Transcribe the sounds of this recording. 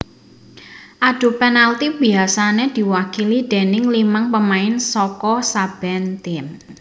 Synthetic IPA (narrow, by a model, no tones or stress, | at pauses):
ʔaɖ̪̥ṳpenalt̪ib̥iasaned̪̥i̤wakilid̪̥ɛ̤nɪŋlimaŋpəmaɪnsɔkɔsab̥ɛnt̪ɪm